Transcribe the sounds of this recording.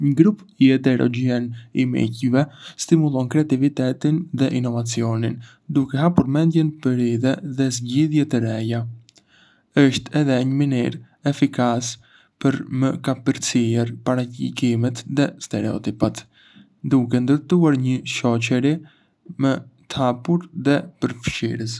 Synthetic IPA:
ɲəɡɾupiɛd̪ɛɾɔ̰ɟiɛnimḭcvɛst̪imulˠɔnkɾɛat̪ivit̪ɛt̪inðɛʔinɔvat͡siɔnin | d̪ukɛɦapuɾmɛnd̪jɛnpəɾiðɛðɛzɟiðjɛt̪əɾɛja | əʃt̪ɛðɛɲəminiɾ | ɛfikas | pəɾməkapəɾt͡siɛɾpaɾacḭkimɛt̪ðɛst̪ɛɾɛɔ̰t̪ipat̪ | d̪ukɛnd̪əɾt̪uaɾɲəʃɔcɛɾi | mət̪hapuɾðɛpəɾfʃḭɾəs

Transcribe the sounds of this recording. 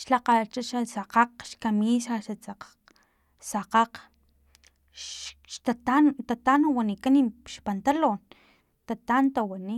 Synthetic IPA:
ʃlaqat͡ʃaʃasaqaqʃkamisaʃat͡saqḁq | saqaq | ʃʃt̪at̪ant̪at̪anowanikaniʃpant̪alon | t̪at̪ant̪awani

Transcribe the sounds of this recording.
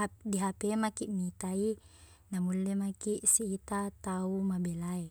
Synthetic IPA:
adiɦapemakiʔmit̪ai | namulːemakiʔsiːt̪at̪aumabelae

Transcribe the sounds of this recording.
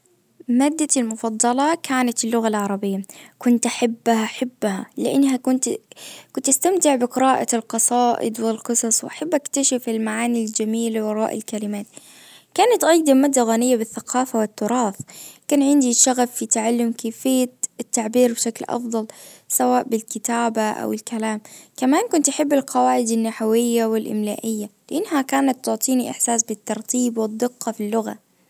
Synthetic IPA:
maːd̪ːalmʊfɑd̪ˤːɑlɑkʰaːnat̪ɪlːʊɣalʕɑɾˤɑbɪjːakʊnt̪ʔaħabːhaħabːha̰lɪʔa̰nːɦakʊnt̪kʊnt̪ʔast̪amt̪ɪʕbɪqɪɾaːʔalqɑsˤɑːʔɪ̰d̪wɪlqɨsˤɑsˤwʔaħabːʔakt̪aʃafɪlmaʕaːnild͡ʒamiːlawɑɾˤɑːʔɪ̰lkalɪmaːt̪ | kaːnat̪ʔɑjd̪ˤamaːd̪ːaɣaːnɪjːabɪθːaqɑːfawɪt̪ːʊɾˤɑːθkaːnʕɪnd̪iʃaɣafːit̪aʕalːʊmkeːfɪjːat̪ːaʕbiːɾbʃaklʔɑ̰fd̪ˤɑlsawaːʔbɪlkɪt̪aːbaʔa̰wɪlkalaːmkamaːnkʊnt̪ʔaħɪbːɪlqɑwaːʕɪd̪anːaħawɪjːawɪlʔɪ̰mlaːʔɪjːalɪʔanːɦakaːnat̪ːʊʕt̪ˤiːniʔɪ̰ħsaːsbɪt̪ːɑɾˤt̪ʰˤiːbwɪd̪ˤːɪqːɑfilːʊɣa̰

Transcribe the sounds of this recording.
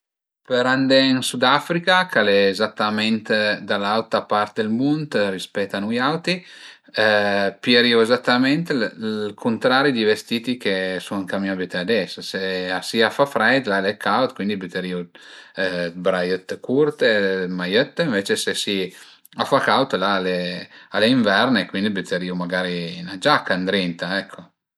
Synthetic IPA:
peɾand̪einsud̪afɾikakaleːzat̪ːament̪d̪alalt̪apaɾt̪ed̪elmunt̪rispɛt̪ːanujawt̪i | pjeɾioezat̪ːament̪kʰunt̪ɾaːɾid̪ivest̪iːt̪ikesuniŋkamiabyt̪ead̪ɛsseasiafafɾɛjd̪lalekʰawt̪kwind̪ibyt̪eɾiːo | bɾajət̪ːkurt̪emajət̪ːiɱveːt͡ʃesesi | afakawt̪laːlealːeiɱvɛrnekwind̪ibyt̪ʰeɾiːomaɡaːɾinad͡ʒakːand̪ɾint̪aɛkʰːo

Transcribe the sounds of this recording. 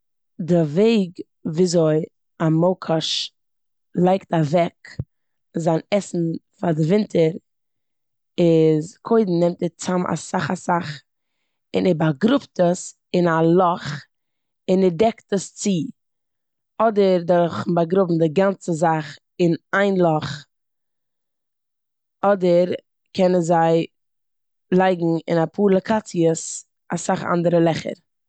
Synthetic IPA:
dɪveɪɡ | viːzoɪ | amoʊkʰaʃ | lˠaɪktavɛk | zaːnɛsn̩fadɪvɪntʰəɾ | ɪzkʰoɪdn̩nɛmtɛt͡samʔa̰saχasaχ | ɪnɛbaɡɾʊptəs | ɪnalˠɔχ | ɪnɛɾdɛktəst͡si | ɔdəɾdɔɾχn̩baɡɾʊbm̩dɪɡant͡səzaχ | ɪnaɪnlˠɔχ | ɔdəɾ | kʰɛnənzaɪ | lˠaɪɡŋ̩ɪ̰napʰuːɾlˠəkʰat͡siəs | asaχa̰ndəɾəlˠɛχə̰ɾ

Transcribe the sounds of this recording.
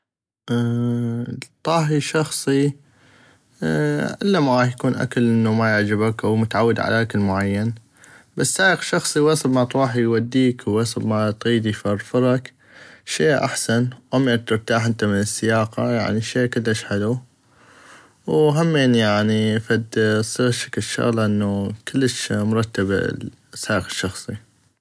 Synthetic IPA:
ʔ | t̪ˤːɑːɦiʃɑxsˤi | ʕɪ̰lːamaʕaːjakuːnʔa̰kalʔɪnːumajɪʕd͡ʒɪbakʔawmʊt̪aʕawːɪd̪ʕa̰lʔaʔakɪlmʊʕajːan | basːaːəqʃɑxsˤiwɑsˤbmat̪ɾuːħijwad̪ːiːkwwɑsˤɨbmat̪ɣiːd̪ifɑɾˤfɨɾˤɑk | ʃeːʔa̰ħsanwʔam̚ːt̪ɨɾˤt̪aːħʔənt̪amɪnɪsːɪjɑːqɑ̰ja̰ʕniʃeːkɪlːəʃħɪlu | wɦamːeːnjaʕnifad̪sˤiɣʃḁkʃːʊ̰ɣlʔɪnːukɪlːəʃmʊɾˤɑt̪ːab̰ | saːjqɪ̥ʃːɑxsˤi

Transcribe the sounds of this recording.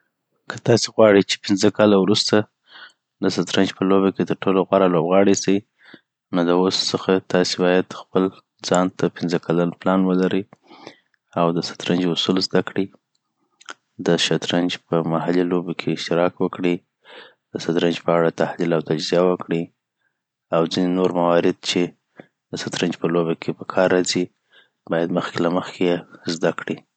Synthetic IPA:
kʰət̪ɑseɣwɑɽit͡ʃe̥pɪnzəkɑlawɾust̪a | lasat̪ɾand͡ʒpəloβaket̪əɾʈoloɣwaɾalobɣɑɽisi | noləossəxat̪ɑsebɑjad̪xpəl | d͡zɑnt̪apɪnzəkʰalanplɑnwəlaɾi | awd̪əsḁt̪ɾand͡ʒʊsulzd̪akɽi | d̪əʃat̪ɾand͡ʒpəmahalilobokʰeɪʃt̪ɪɾɑkwəkɽi | d̪̥əsat̪ɾand͡ʒpəaɽat̪ahlilawt̪ad͡ʒzijawəkɽi | awd͡zinenoɾmawɑɾɪd̪̚t͡ʃe | d̪əsat̪ɾand͡ʒpəlobakʰepəkʰɑɾːɑzi | bɑjad̪məxkelaməxkʰejezd̪akɽi

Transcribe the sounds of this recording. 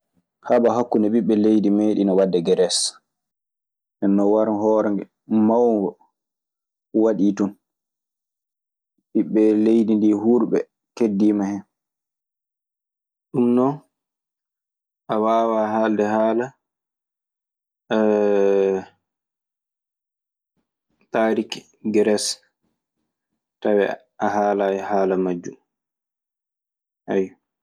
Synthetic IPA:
haɓaɦakːunɛɓiɓːɛlejdimeːɗinɔwadːɛɡɛɾɛs | ʔɛnːɔwaɾhɔːɾɛŋɡɛ | mawŋɡɔ | waɗiːtun | ɓiɓːɛlejdindiɦuɾɓɛ̰ | kedːimahɛn | ɗumnɔn | ʔawaːwaɦaːldɛhaːla | taːɾik | ɡɾɛs | tawɛ̰ | ʔaɦaːlajhaːlamad͡ʒːṵm | haj

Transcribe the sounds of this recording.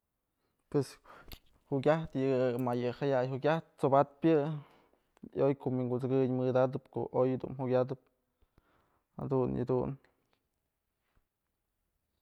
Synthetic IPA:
pwes | huɡʲaht̪jɨmajɨhajajhuɡʲaht̪̚t͡sobat̪̚pʲjɨ | jojkoʔmwiŋɡuzɨɡɨɲmɨd̪ad̪ɨpko̰ʔojd̪ṵnhuɡʲad̪ɨp̚ | ha̰d̪unjɨ̰d̪un

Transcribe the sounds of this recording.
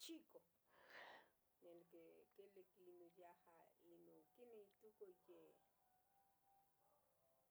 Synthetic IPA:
t͡ʃiko | nelkekelekinojahainokineit̪ukoje

